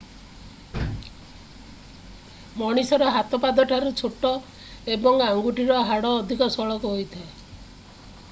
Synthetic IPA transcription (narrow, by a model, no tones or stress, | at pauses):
mɔɽ̃isɔɾɔɦat̪ɔpad̪ɔʈʰaɾut͡ʃʰoʈɔ | ebɔŋaŋɡuʈiɾɔɦaɽɔːd̪ʱikɔsɔɭɔkuɦojt̪ʰae